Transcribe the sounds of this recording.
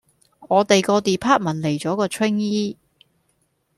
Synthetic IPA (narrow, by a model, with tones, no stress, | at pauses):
ŋɔː˨˧t̪e˨jkɔː˧t̪iː˨pʰaː˥t̚mɐ˨˩nle˨˩jt͡sɔː˨˥kɔː˧t͡ʃʰwɪ˥ŋjiː˥